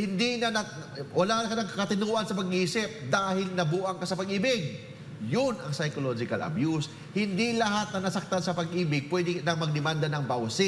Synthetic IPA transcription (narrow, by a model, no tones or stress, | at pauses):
hɪnd̪inɐnɐwɐlaːnɐkɐnɐŋkɐkɐt̪ɪnuːʔɐnsɐpɐɡʔiːsɪp̚d̪aːhɪlnɐbuːʔɐŋkɐsɐpɐɡʔiːbɪɡ̚ | jʊnɐŋsɐjkolod͡ʒɪkɐ̰lʔɐ̰bjus | hɪnd̪ilɐɦat̪̚nɐnɐsɐk̚t̪ansɐpɐɡʔiːbɪɡ̚pwɛd̪ɪnɐŋmɐɡ̚d̪ɪmand̪ɐnɐŋbawsɪ